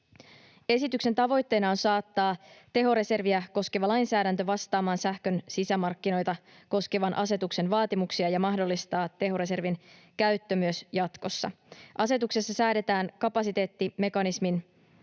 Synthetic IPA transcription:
e̞sit̪ykse̞nt̪ɑʋo̞jt̪ːe̞nɑonsɑːt̪ːɑːt̪e̞ɦo̞ɾe̞se̞rʋiæko̞ske̞ʋɑlɑjnsæːɾænt̪øʋɑst̪ɑːmɑːnsæhkø̞nsisæmɑrkːino̞jt̪ɑ | ko̞ske̞ʋɑnʔɑse̞t̪ukse̞nʋɑːt̪imuksiɑjɑmɑɦdo̞lːist̪ɑːt̪ːe̞ɦo̞ɾe̞se̞rʋin | kæɥt̪ːømyøsjɑt̪ko̞sːɑ̰ | ʔɑse̞t̪ukse̞sːɑsæːde̞t̪æːnkɑpɑsit̪e̞ːt̪ːime̞kɑnismin

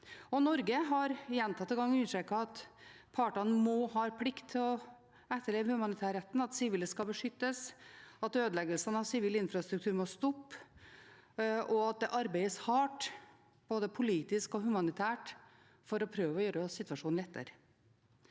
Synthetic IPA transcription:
ɔnɔɾɡəɦɑɾjɛnt̪ʰɑt̪ːɪɡɑŋːʉnəʂʈɾɛkɑɑt̪pʰɑːʈɑnəmoːhɑːɾpʰlɪkt̪ʰːɪlɔ | ɛt̪ːəɭeːʋəhʉmɑnɪt̪ʰæːɾɛt̪ːnɑt̪sɪʋiːləskɑlbəʂʏt̪ːəsɑt̪øːd̪əlɛɡəlsənɑʋsɪʋiːlɪnfɾɑst̪ɾʉk̚t̪ʰʉːɾmɔst̪ɔpː | ʔɔɑt̪̚d̪ɛʔɑɾbæɪəshɑːʈ | b̥oːd̪əpʰʊliːt̪ɪskɔɦʉmɑnɪt̪ʰæːʈ | fɔɾɔpʰɾøːʋəɔjøːɾəɔsɪt̪ʋɑʂuːnlɛt̪ʰːə̰ɾ

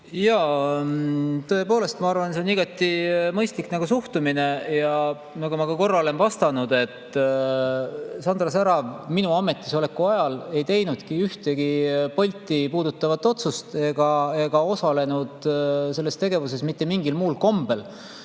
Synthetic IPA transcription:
jɑ | t̪ɤ̞e̞po̞ːle̞st̪mɑɑrvɑnseoniɡ̥ɑt̪ːˑimɤjst̪liknɑɡ̥usuht̪umine̞jɑ | nɑkumɑkɑko̞rːɑle̞nvɑst̪ɑnud̪̥e̞t̪ː | sɑnd̪rɑsæɾɑvminuɑme̞t̪ːˑiso̞le̞kːˑuɑjɑle̞jt̪e̞jnud̪̥kiyht̪e̞ɡ̥ipolʲt̪ːˑipuːd̪̥ut̪ːˑɑvɑt̪ːˑo̞t̪sust̪e̞ɡ̥ɑe̞ɡ̥ɑo̞sɑle̞nud̪̥se̞lːe̞st̪e̞ɡe̞vuse̞smit̪ːe̞miŋɡilmuːlko̞mb̥e̞l

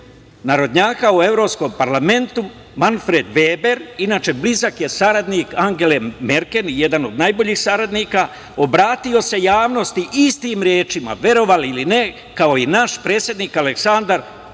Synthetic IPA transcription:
naɾo̞d̪ɲaːkaue̞vɾo̞psko̞mpaɾlame̞nt̪u | manfɾe̞d̪ʋeːbe̞ɾinaːt͡ʃe̞blizakje̞saɾad̪nikaŋɡe̞leme̞ɾke̞njed̪ano̞d̪najbo̞ʎiːxsaɾad̪niːka | o̞bɾaːt̪io̞se̞jaːʋno̞st̪iʔist̪iːmɾje̞ːt͡ʃima̰ʋe̞ɾo̞ʋaliline̞ | kao̞inaʃpɾe̞ːt̪sje̞d̪niːkaleksand̪aɾ

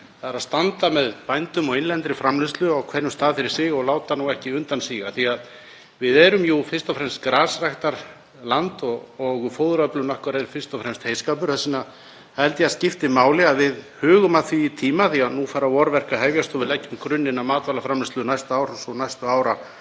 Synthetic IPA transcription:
θaɾaðst̪ant̪amɛðpajnt̪ʏmɔɣɪnlɛnt̪ɾɪfɾamlɪst̪lʏawkʰvɛɾjʏmst̪aːðfɪɾɪɾ̥sɪɣɔɣlaːwt̪anuɛhcɪʏnt̪ansiːɣaθiað | vɪðɛɾʏmjufɪr̥st̪ɔfɾɛmst̪kɾaːsrajht̪aɾ̥ | lant̪ɔɔɣfoːwðɾœplʏnɔhkaɾɛɾfɪr̥t̪ɔfɾɛmst̪heːjskaːpʏɾ̥θɛsɪna | hɛlt̪jascɪft̪ɪmaːwlɪaðvɪðhʏːɣʏmaðθviːt̪ʰiːmaθiaðnufaːɾavɔɾvɛr̥kahɛvjast̪ɔvɪlɛcːʏmkɾʏnːɪnamaːt̪lalafɾamlɪst̪lʏnajst̪aaːwɾɔsɔnajst̪ʏaːwɾa

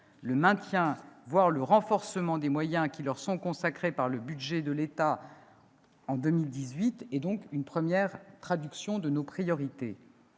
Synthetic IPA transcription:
ləmɛ̃t̪jɛ̃vwaʁləʁɑ̃fɔʁsəmɑ̃d̪emwajɛ̃kʲilœʁsɔ̃kɔ̃sakχepaʁləbyd̪ʒɛd̪əlet̪a | ɑ̃d̪əmild̪izɥit̪ɛd̪ɔ̃kynpχəmjɛʁt̪χad̪yksjɔ̃d̪ənopχijɔʁit̪ḛ

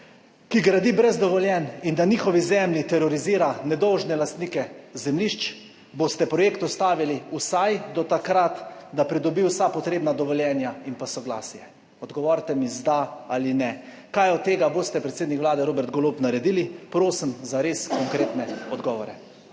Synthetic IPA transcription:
kiɡɾad̪ibɾɛzd̪ɔʋɔljɛnind̪anixɔʋizɛmljit̪ɛɾɔɾiziːɾanɛd̪ɔwʒnɛlast̪niːkɛzɛmliʃt͡ʃ | bost̪ɛpɾɔjeːkt̪ɔst̪aːʋiliusajd̪ɔt̪akɾat̪d̪apɾid̪ɔbiwsapɔt̪ɾeːbnad̪ɔʋɔljɛnjainpasɔɡla̰ːsjɛ | ɔd̪ɡɔʋɔɾt̪ɛmizd̪aaːlinɛ | kajɔt̪ːeːɡaboːst̪ɛpɾɛt̪seːd̪nikʋlaːd̪ɛɾoːbɛɾt̪̚ɡɔlopnaɾɛd̪iːlipɾoːsimzaɾeːskɔŋkɾeːt̪nɛɔd̪ɡɔːʋɔɾɛ

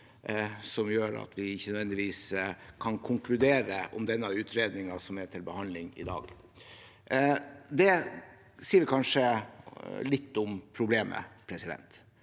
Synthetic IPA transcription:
sɔmjøːɾɑ̰t̪ʰʋɪɪçːənœd̪ʋɛnd̪ɪʋiːskʰɑnkʰʊŋkʰlʉd̪eːɾəʔɔ̰md̪ɛnːəʉːt̪ʰɾeːd̪nɪŋɑsɔmæʈʰɪlbəhɑnlɪŋɪ̰d̪ɑ̰ːɡ | d̪ɛ | siːəʋɪkʰɑnʂə | lɪt̪ːʊmpʰɾʊbleːmə̰pʰɾɛsɪd̪ɛ̰nt̪

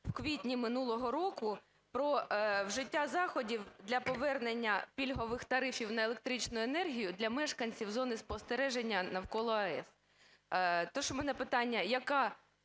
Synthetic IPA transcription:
wkʋʲitʲnʲimɪnulˠɔɦɔɾɔkʊ | pɾɔwʒɪtʲːazɑxɔdʲiwd̪lʲɐpɔʋɛrnenʲːɐpʲilʲɦɔʋɪxt̪ɐɾɪfʲiwnɐelˠek̚t̪ɾit͡ʃnʊjʊenɛrɦʲijʊd̪lʲɐmɛʃkɐnʲt͡sʲiwzɔnɪspɔst̪eɾɛʒenʲːɐnɐwkɔlˠɔɐɛs | t̪ɔʃɔmɛnɛpɪt̪ɑnʲːɐjɐkɑ

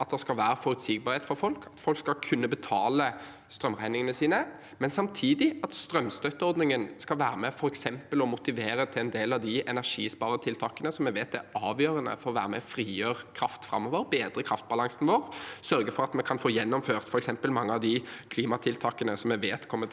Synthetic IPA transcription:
ɑt̪̚d̪ɛskɑlʋæːɾəfɔɾʉt̪sɪɡ̚bɑːʁheːt̪fɔɾfɔlkʰɑt̪fɔlkskɑkʰʉnːəbət̪ʰɑːlə | st̪ɾœmʁæɪnɪŋənəsiːnə | mɛnsɑmt̪ʰiːd̪ɪɑt̪st̪ɾœmːst̪œt̪ːəɔɾd̪nɪŋənskɑlʋæːɾəmɛfɔɾɛksɛmpəlɔmʊt̪ɪʋeːɾət̪ʰɪlɛnd̪eːlɑʋd̪ɪɛnæʂḭːspɑːɾət̪ʰɪlt̪ʰɑːkənəsɔmɛɪʋeːt̪æɑːʋjøːɾənə̰fɔɾɔʋæ̰ːɾəmɛ̰fɾiːjøːʁkʰɾɑft̪fʁɑ̰mːoːʋəɾbeːd̪ɾəkʰʁɑft̪̚bɑlɑŋsnʋoːʁsœɾɡəfɔɾɑt̪mɛkʰɑnfoːjɛnːɔmføːʁt̪fɔɾɛksɛmpəlmɑŋːəɑʋd̪ɪkʰliːmɑt̪ʰɪlt̪ʰɑːkənəsɔmɛʋeːt̪kʰɔmːə

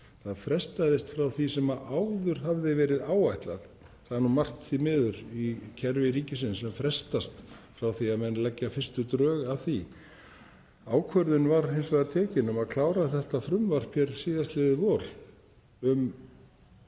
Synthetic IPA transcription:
θaðfɾɛst̪ajðɪst̪fɾawθisɛmaʔawðʏɾ̥ɦavðɪvɛːɾɪðaːwajht̪la̰ð | θaðɾnumar̥t̪θimɪːðʏɾicʰɛɾvɪɾiːcɪsɪnsɛmfɾɛst̪ast̪fɾawθiaðmɛnlɛcːafɪr̥st̪ʏt̪ɾœːɣaðθi | aːwkʰvœɾðʏnvaɾhensvaðaɾt̪ʰɛːcɪnʏmaðkʰlaːwɾaθɛht̪afɾʏmvar̥pʰjɛɾ̥siːðast̪lɪðɪvɔɾ | ʏm

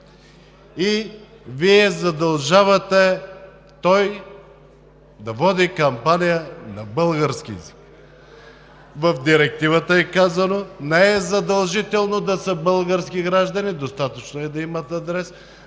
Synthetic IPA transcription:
i | viɛzɐd̪ɐlˠʒavɐt̪ɛ | t̪ɔj | d̪ɐvɔd̪ikɐmpanijənɐbɤlˠɡəɾskʲizik | vɐfd̪iɾɛk̚t̪ivət̪əɛkazɐnonɛɛzɐd̪ɐlˠʒit̪ɛlˠnod̪ɐsəbəlˠɡəɾsk̟iɡɾaʒd̪ɐnid̪ost̪at̪ət͡ʃnoɛd̪ɐimɐt̪ad̪ɾɛs

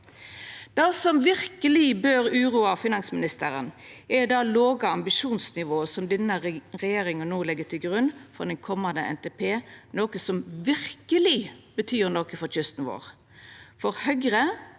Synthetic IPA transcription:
d̪̥ɑːsɔmʋɪʁkəlɪbøːɾʉːɾuːɑfɪnɑŋsmɪnɪst̪əɾənɛd̪ɑːloːɡɑɑmbɪʃuːnsnɪʋoːəsɔmd̪ɛnːəʁɛjeːɾɪŋənnoːlɛɡət̪ʰɪlɡʁʉnːfɔ̰d̪ɛŋkʰɔmɑnd̪əɛ̰nt̪eːpʰeːnoːkəsɔmʋɪɾkəlɪbət̪ʰyːʁnɔkəfɔɾt͡ʃʏst̪n̩ʋo̰ːʁ | fɔʁhœɡʁə

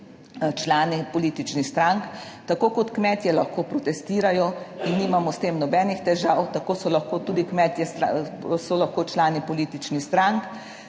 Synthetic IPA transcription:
t͡ʃlaːnipɔliːt̪it͡ʃnixst̪ɾaŋkt̪akoːkɔt̪kmɛːt̪jɛlaxkoːpɾɔt̪ɛst̪iːɾajɔinːiːmamɔst̪eːmnɔbɛːnixt̪ɛʒawt̪akoːsɔlaxkoːt̪uːd̪ikmɛt̪jɛst̪asɔlaxkoːt͡ʃlaːnipɔliːt̪it͡ʃnixst̪ɾaŋk

